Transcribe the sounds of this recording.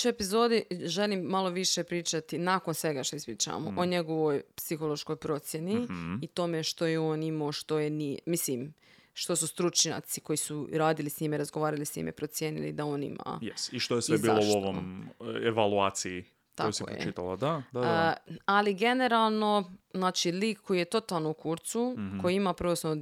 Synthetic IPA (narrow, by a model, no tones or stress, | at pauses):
t͡ʃuepizoːd̪iʒelimːalˠo̞ʋiʃepɾiːt͡ʃat̪inakonsʋe̞ɡaʃt̪o̞ispɾiːt͡ʃa̰mo̰ʔoɲe̞ɡo̞ʋojpsixo̞lˠo̞ʃko̞jpɾo̞t̪sje̞niːt̪o̞me̞ʃt̪o̞jeoːnimoːʃt̪o̞jenimislim | ʃt̪o̞sust̪ɾut͡ʃɲa̰t̪siko̞jisuɾaːd̪ilisɲimeɾazɡoʋaːɾalisɲḭmḛpɾo̞t̪sjeːnḭlḭd̪ao̞ːnḭma̰jesiʃt̪ojesʋebiːlouoʋomeʋaluaːt̪sii | t̪ajsk̪ɛ̰ɾoḛit̪alˠa̰d̪a | aliɡe̞ne̞ɾalˠno̞znaːt͡ʃiliːkkːo̞jijet̪o̞t̪alˠnoukuɾt̪suko̞jimapɾ̩ʋosnoo